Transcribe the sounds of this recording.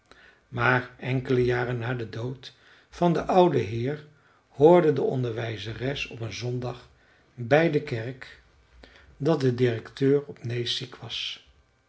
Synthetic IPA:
maːɹɛŋkələjaːrənːaːdədowt | fɑndəʔʌwdəɦɪːɹ | hoːɹdədəɔ̰ndəɹʋɛjzərɛsɔpənzɔndɑχ | bɛjdəkɛɹk | dɑt̚dədɪrɛktøːɹɔpnejsikʋɑs

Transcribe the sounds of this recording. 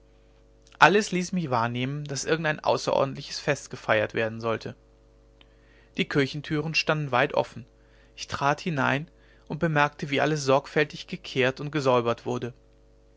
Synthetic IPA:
ʔaləsliːsmɪçv̥aːɐneːmənd̥asʔɪɐɡŋ̩taɪnʔa̰ʊsɐʔɔ̰ːɐdn̩tlɪçə̥sfɛstɡ̥əfaɪɐtv̥eːɐdn̩zɔltʰə | d̥iːkʰɪɐçn̩tʰyːʁ̞ən̩ʃtandn̩vaɪtʔɔ̰fn̩ | ʔɪçtʁ̥aːthɪnaɪn | ʔʊnt̚b̥əmɛɐk̚təviːʔa̰ləs̬z̥ɔɐkfɛltɪçɡ̥əkʰeːɐtʊnt̚ɡ̥əzɔʏbɐtv̥ʊɐdə

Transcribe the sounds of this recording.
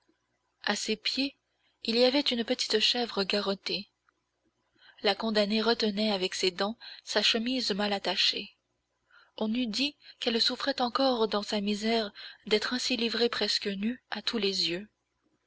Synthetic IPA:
asepje | iliavɛt̪ynpət̪i̥t̪ʃɛvʁəɡaʁɔt̪e | lakɔ̃d̪aneʁət̪ənɛavɛksed̪ɑ̃saʃəmizmalat̪aʃe | ɔ̃nyd̪ikɛlsufχɛt̪ɑ̃kɔʁd̪ɑ̃samizɛʁd̪ɛt̪χɛ̃silivʁepχɛskənyat̪ʰulezjø

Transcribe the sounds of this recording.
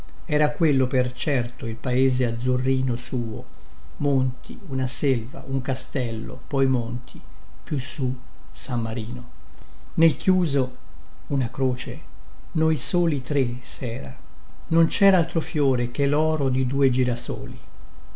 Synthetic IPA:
ɛːɾakwelːopert͡ʃɛrt̪oilpaeːzead̪zurːiːnosuːo̰ | mont̪ʰḭunaselva̰ʔuŋkast̪ɛlːo̰pɔjmont̪ʰi | pjusːu | samːaɾiːno | nelkjuːzo | unakɾoːt͡ʃe | nojsoːlit̪ɾe | sɛːɾa̰ | nont͡ʃɛːɾaalt̪ɾofjoːɾek̟elɔːɾod̪id̪uːed͡ʒiːɾaso̰ːli

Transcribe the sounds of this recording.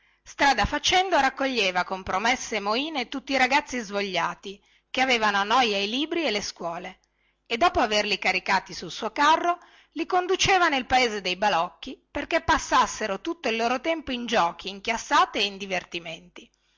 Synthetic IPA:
st̪ɾaːd̪afat͡ʃɛnd̪oɾakːoʎːeːvakompɾomesːemoiːnet̪ut̪ːiːɾaɡat̪sːizvoʎːaːt̪i | keaveːvanoanɔjailiːbɾielːeskwɔːle | ed̪ːɔːpoaverlikaɾikaːt̪isulsuːokarːo | likond̪ut͡ʃeːvanelpaeːzed̪ejbalɔkːiperkepːasːasːeɾot̪ut̪ːoilːoːɾot̪ɛmpoind͡ʒɔːk̟ʰiːŋkjasːaːt̪eːind̪ivert̪iment̪i

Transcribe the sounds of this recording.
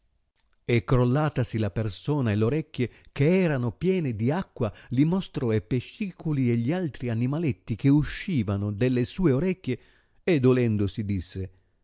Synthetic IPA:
ekːɾolːaːt̪asilapersoːnaeloɾɛkʲːjekeɛːɾanopjɛːnɪd̪iakːwalimost̪ɾɔepeʃːiːkulieʎːialt̪ɾianimalet̪ːik̟euʃːiːvanʊd̪elːesuːeoɾɛkʲːje | ed̪ːolɛnd̪osid̪isːe

